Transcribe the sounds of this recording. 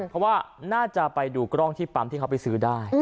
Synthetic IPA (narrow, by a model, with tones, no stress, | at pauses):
pʰɔ˦˥waː˥˩naː˥˩t͡ɕa˨˩pa˧jduː˧kɾɔ˥˩ŋt̪ʰiː˥˩pa˩˦mt̪ʰiː˥˩kʰpa˧jsɯː˩˦˥daː˥˩j